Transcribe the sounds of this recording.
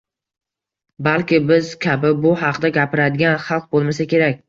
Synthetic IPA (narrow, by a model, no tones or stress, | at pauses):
balkʲɪbɪzkʲʰabɪbʊhɑqʰd̪aɡʲapɪɾad̪ɪɡʲanχɑlˠq̚bolˠmas̬akʲʰe̞ɾak̚ʲ